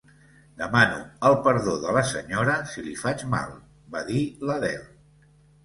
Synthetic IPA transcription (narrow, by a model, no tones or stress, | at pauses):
d̪əmanṵəlˠpəɾðoðələsəɲoɾəsilifad͡ʒma̰lˠ | baðiləðɛ̰l